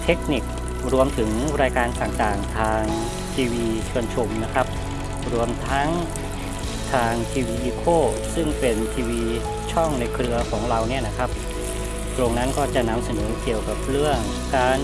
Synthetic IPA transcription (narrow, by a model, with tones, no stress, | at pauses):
t̪ʰe˦˥k̚ni˨˩k̚ | ɾu˧əmt̪ʰɯ˩˦ŋɾaː˧jkaː˧nt̪aː˨˩ŋt̪aː˨˩ŋt̪ʰaː˧ŋ | t̪ʰiː˧wiː˧t͡ɕʰu˧ənt͡ɕʰo˧mna˦˥kʰa˦˥p̚ | ɾu˧əmt̪ʰa˦˥ŋ | t̪ʰaː˧ŋt̪ʰiː˧wiː˧ʔiː˧kʰoː˥˩sɯ˥˩ŋpe˧nt̪ʰiː˧wiː˧ | t͡ɕʰɔ˥˩ŋna˧jkʰɾɯ˧ɐkʰɔː˩˦ŋɾa˧wni˥˩ɐna˦˥kʰa˦˥p̚ | t̪ɾo˧ŋna˦˥nkɔː˥˩t͡ɕa˨˩na˧msa˧nɤː˩˦ki˨˩əwka˨˩p̚ɾɯ˥˩əŋ | kaː˧n